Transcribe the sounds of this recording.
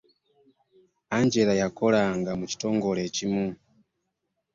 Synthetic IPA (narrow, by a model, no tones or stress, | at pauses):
aɲd͡ʒelajakolaŋɡamut͡ʃi̥tɔŋɡolet͡ʃimu